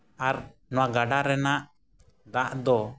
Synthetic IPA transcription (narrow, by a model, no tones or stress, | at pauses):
aɾ | nɔwaʔɡaɖaɾɛnaʔ | d̪aʔd̪ɔ